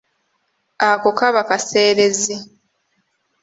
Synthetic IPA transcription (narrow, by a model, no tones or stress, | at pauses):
akokaβakase̞ːɾezi